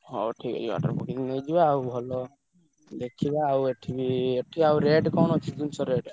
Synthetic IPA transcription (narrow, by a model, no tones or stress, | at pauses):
ɦɔ̰ʈʰikɔ̰d͡ʒiba̰ʈɔ̰ɾbukiŋnejd͡ʒibaːubʱɔlɔ | d̪ekʰibaːweʈʰibieʈʰiawɾeɖkɔnɦɔt͡ʃʰid̪unsɔɾeɖ